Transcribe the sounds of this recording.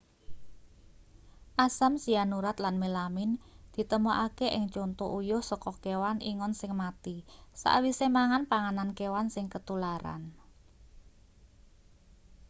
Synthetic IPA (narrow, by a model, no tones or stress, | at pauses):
ʔasamsianuɾat̪lanmelamɪnd̪̥i̤t̪əmoʔakeʔɪŋt͡ʃont̪uʔujʊhsɔkɔkewanʔiŋɔnsɪŋmat̪isa̰ʔwisemaŋanpaŋanankewansɪŋkət̪ulaɾa̰n